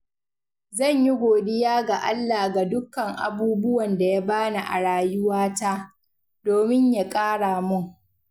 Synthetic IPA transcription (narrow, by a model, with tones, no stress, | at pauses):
zɐ˦˨ɲji˦ɡʷoː˨dɪ˦jaː˦ɡa˨ʔa˦lːaː˨ɡa˨dʊ˦kːɐ˨ŋʔa̰˨buː˦bʊ˦wɐ˨nda˨ja˦baː˦na˨ʔa̰˨ɽaː˦jʊ˦waː˦ta˦ | doː˨mɪ˦ɲja˨kʼaː˦ɽaː˨mʊ˦˨ŋ